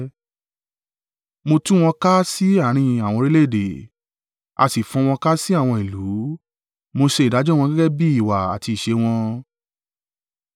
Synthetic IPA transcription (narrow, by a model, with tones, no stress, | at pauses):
mo˧tũ˦w̃ɔ̃˧ka˦si˦a˦˨ɾ̃ĩ˧a˨w̃ɔ̃˧ɾi˦le˦˨de˨ | a̰˧si˨fũ˧w̃ɔ̃˧ka˦si˦a˦˨w̃ɔ̃˧i˨lu˨˦ | mo˧ʃe˧˨da˨˦d͡ʒɔ˦w̃ɔ̃˧ɡɛ˦ɡɛ˦bi˦i˦˨wa˨a̰˨ti˧i˨ʃe˧w̃ɔ̃˧